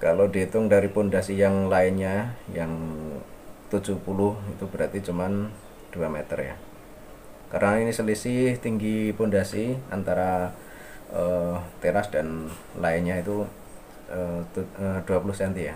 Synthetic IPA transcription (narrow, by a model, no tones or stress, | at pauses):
kalodiit̪ʊŋdaɾipundasijaŋlaɪnɲajaŋ | t̪u̥d͡ʒupulʊhit̪ubəɾat̪it͡ʃuman | d̥uamet̪ərja̰ | karnainisəlisɪht̪iŋɡipundasia̰nt̪aɾa | ʔət̪eɾasd̥an | laɪnɲait̪u | ət̪uəd̥uapulʊhsɛnt̪ija